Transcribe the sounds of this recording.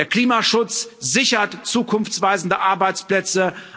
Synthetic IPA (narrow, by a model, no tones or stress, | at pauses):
eːɐkl̥iːmaʃʊt͡szɪçɐtt͡suːkʰʊnft͡sv̥aɪzn̩dəʔaɐbaɪt͡splɛt͡sə